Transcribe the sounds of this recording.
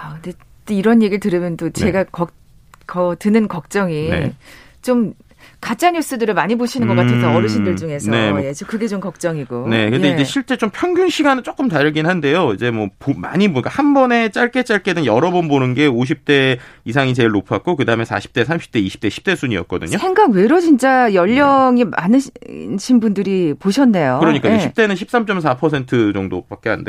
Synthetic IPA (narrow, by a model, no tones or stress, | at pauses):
akɯnde̞ | t͈oiɾʌnje̞ɡiɭtɯɾɯmjʌntot͡ɕeɡakʌk̚ | kʌtɯnɯnkʌk̚t͡ɕ͈ʌŋiet͡ɕom | kat͡ɕ͈aɲus͈ɯdɯɾɯɭmaɲiboɕʰinɯnɡʌk͈atʰensʰʌʌɾɯɕʰindɯɭt͡ɕuŋe̞sʰʌne̞jet͡ɕokɯɡe̞t͡ɕomkʌk̚t͡ɕ͈ʌŋiɡone̞kɯnde̞id͡ʑe̞ɕʰiɭt͡ɕ͈e̞t͡ɕ͈ompʰjʌŋɡuŋɕʰiɡanɯɭt͡ɕ͈ok͈ɯmtaɾɯɭɡinɦande̞joid͡ʑe̞mwʌpoma̰ɲibunk͈ahanbʌne̞t͡ɕ͈aɭk͈e̞t͡ɕ͈aɭk͈e̞dɯnjʌɾʌbonbonɯnɡe̞oɕʰip̚t͈e̞is̬ʰaŋit͡ɕe̞ɭnopʰak̚k͈okɯdaɯmesʰa̰ɕʰi̥p̚t͈e̞sʰamɕ͈ʰi̥p̚t͈eiɕʰi̥t͈e̞ɕʰi̥p̚t͈e̞sʰuɲiʌ̰t̚k͈ʌdɯ̰ɲosʰeŋɡakwe̞ɾot͡ɕint͡ɕ͈ajʌʎːʌŋima̰nɯɕʰinbundɯɾipoɕʰʌnːe̞jokɯɾʌɲik͈aɕʰip̚t͈e̞nɯnɕʰip̚s͈amt͡ɕ͈ʌmsʰapʰʌsʰe̞ntʰɯd͡ʑʌŋdop͈ak̚k͈eɦa̰nnde